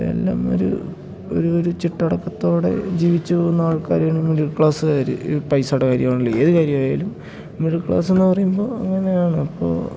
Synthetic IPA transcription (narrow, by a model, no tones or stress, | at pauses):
e̞̰lːa̰ːmo̞̰ɾṵ | o̞̰ɾuoɾut͡ɕiʈːɐɽɐkːɐt̪ːo̞ːɽe̞̰d͡ʑiːʋit͡ɕːɨpoːɣunːɐaːɭkaːɾeːɳumːiðiɭkɭaːsɨkaːɾɨ̰pɐjsaːɽekaːɾjɐmaːɳilːɐe̞ːðɨkaːɾjɐmaːjaːlum | miðiɭkɭa̰ːse̞nːɨpɐrɐjumbo̞ːɐŋːɐne̞jaːɳɨɐpːo̞̰ː